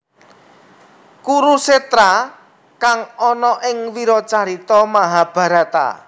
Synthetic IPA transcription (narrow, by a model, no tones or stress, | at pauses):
kuɾuset̪ɾa | kaŋɔnɔʔɪŋwiɾɔt͡ʃaɾit̪ɔmaɦab̥a̤ɾa̤t̪a̰